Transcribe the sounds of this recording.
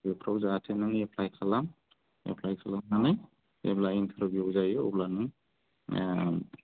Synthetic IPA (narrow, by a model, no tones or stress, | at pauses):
ɔpʰɾawzaːtʰenɯŋepʰlajkʰalam | ḛpʰlajkʰalamnanaj | ḛblaint̪ʰɯɾɯbuzajɔoblanɯŋ